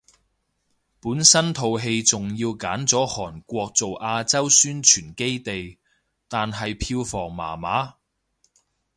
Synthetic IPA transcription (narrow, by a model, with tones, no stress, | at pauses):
puː˨˥nsɐ˥nt̪ʰo˨wɦe˧jt͡sʊ˨ŋjiː˧wkaː˨˥nt͡sɔː˨˥hɔː˨˩nkʷɔː˧k̚t͡so˨wʔaː˧t͡sɐ˥wsyː˥nt͡ʃʰyː˨˩nke˥jt̪e˨j | t̪aː˨nɦɐ˨jpʰiː˧wfɔː˨˩ŋma̰ː˨˩maː˨˥